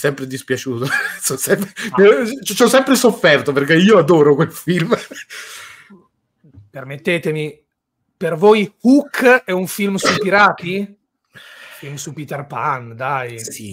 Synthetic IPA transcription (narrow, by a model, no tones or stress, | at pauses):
sɛmpɾed̪ispjat͡ʃuːt̪osɔsɛmpɾenet͡ʃt͡ʃɔsːɛmpɾesofːɛrt̪operkeiːoad̪oːɾokwelfilm | permet̪ːeːt̪emi | pervojhukːɛuɱfilmsupiɾaːt̪i | filmsupit̪ɛrpand̪aj